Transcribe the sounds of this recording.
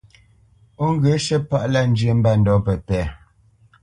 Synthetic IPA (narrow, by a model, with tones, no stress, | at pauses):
o˦ŋ̩˦ɡə˨˦ʃə˦pa˦ʔla˦n̩˦d͡ʒjə˨˦m̩˦ba˦n̩˨dɔ˨˦pə˨tɛː˨˦˨